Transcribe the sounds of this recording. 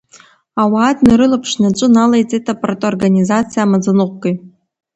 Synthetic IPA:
awaːtʰʼnɨɾɨlapʰʂnaʈ͡ʂʷʼɨnalajt͡sʼetʰapʼaratʼorɡanʲizat͡sʰijamad͡zanɨqʷɡʼej

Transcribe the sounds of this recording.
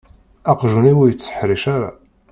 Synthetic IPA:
ɑqʒuniwijət͡sːə̥ħɾiʃaɾa̰

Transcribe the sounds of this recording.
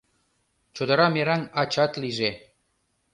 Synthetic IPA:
t͡ɕod̪ɤ̆ɾɑmeɾænɑt͡ɕɑt̪liʒe

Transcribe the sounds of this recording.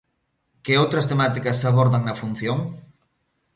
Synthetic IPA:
keowt̪ɾɐst̪emat̪ikɐsːaβoɾðaŋnɐfun̟θjoŋ

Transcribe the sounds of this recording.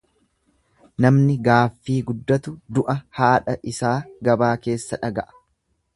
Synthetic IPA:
nɐmnɪɡaːfːiːɡʊd̪ːɐt̪ʊd̪ʊʔɐhaːᶑɐʔɪsaːɡɐbaːke̞ːsːɐᶑɐɡɐʔɐ̥

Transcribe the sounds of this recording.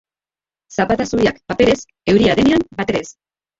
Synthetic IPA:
sapat̪asuɾiakpape̞ɾe̞s | e̞wɾiaðeneambat̪e̞ɾe̞s

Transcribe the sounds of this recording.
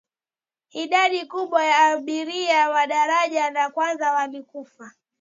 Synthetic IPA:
iɗaɗikuɓwajaːɓiɾiawaɗaɾaʄanakwanzawalikufa

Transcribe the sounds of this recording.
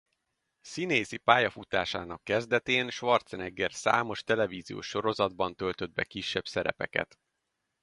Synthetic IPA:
sineːzipaːjɒfut̪aːʃaːnɒkːɛzd̪ɛt̪eːnʃʋɒrt̪sɛnɛɡːɛrsa̰ːmo̞ʃt̪ɛlɛviːzijo̰ːʃːo̞ɾo̞zɒd̪bɒnt̪ø̞lt̪ø̞d̪̚bɛ̰kiʃːɛb̥sɛɾɛ̰pɛ̰kɛ̰t̪

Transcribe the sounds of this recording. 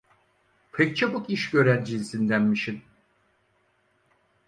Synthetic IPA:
pʰec̚t͡ʃʰabukiʃɟø̞ɾænd͡ʒizsind̪ænmiʃin

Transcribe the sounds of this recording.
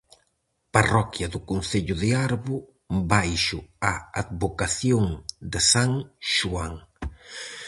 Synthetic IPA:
parɔkjɐðʊkonθeʎʊðɪaɾβʊ | bajʃʊaaðβokaθjoŋd̪ɪsaŋʃuaŋ

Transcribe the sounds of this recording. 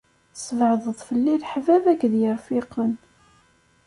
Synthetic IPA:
səvʕðˤəðˤfəlːilħvævækːðjəɾfiqːən

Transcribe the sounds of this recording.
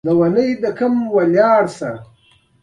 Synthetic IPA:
d̪əwanəjd̪əkɐmwaljɑːɽsa

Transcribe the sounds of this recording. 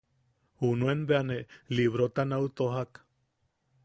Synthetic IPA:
hunuenbeaneliβɾot̪anaut̪oɦak

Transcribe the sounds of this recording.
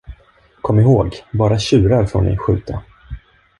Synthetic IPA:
kʰɔmːɪɦoːɡbɑːɾaɕʉ̟ːɾaɾfoːɳɪ̰ɧʉ̟̰ːt̪ʰa

